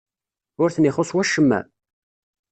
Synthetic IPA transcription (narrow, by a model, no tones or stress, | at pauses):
ʊɾθənɪχosˤwæʃːəmːæ̰